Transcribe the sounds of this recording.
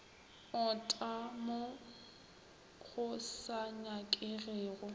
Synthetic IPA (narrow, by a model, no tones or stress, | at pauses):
ʊtʼamo | k͡xʰʊsaɲakʼɪɣeːɣʊ